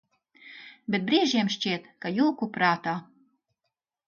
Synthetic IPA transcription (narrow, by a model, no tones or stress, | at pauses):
bʲet̪̚bɾiɛʒiɛmʃt͡ʃʲiɛt̪kajulkupɾaːt̪aː